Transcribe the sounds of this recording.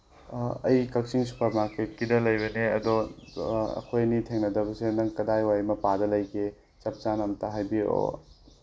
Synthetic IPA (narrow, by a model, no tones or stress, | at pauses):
ɐjkɐk̚siŋsu̥pʰɐmaket̚kidɐlɐjbɐneɐdɔ | ɐ̰kʰojnitʰeŋnɐdɐbɐsenɐŋkɐdajwajmɐpadɐlɐjkʰe | t͡ʃɐp̚t͡ʃanɐmtaɦajbio̰